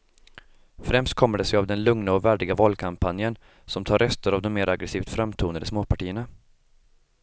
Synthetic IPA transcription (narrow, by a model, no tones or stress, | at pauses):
fɾɛmst̪̚kʰɔmːəɖɛsɛavd̪ɛnlɵŋnaɔvæːɖɪɡavɑːlkʰampʰanjən | sɔmt̪ʰɑːɾœst̪əɾavd̪ɔmːeːɾʔaɡɾɛsiːvt̪fɾamt̪ʰuːnəɖɪsmoːpʰaʈiːəɳa